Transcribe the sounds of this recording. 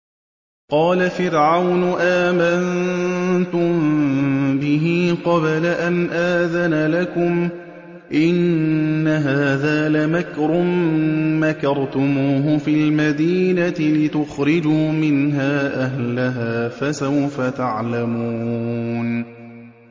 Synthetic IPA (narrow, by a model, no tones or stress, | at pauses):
qɑːlafɪɾʕawnʊʔaːman | t̪ʊm | bɪɦiːqɑβlaʔanʔaːðanalakʊm | ʔɪnːaɦaːðaːlamakɾʊmː | akɑɾˤt̪ʊmuːɦʊfiːlmad̪iːnat̪ɪlɪt̪ʊxɾɪd͡ʒuːmɪnɦaːʔaɦlaɦaːfasawfat̪aʕlamuːn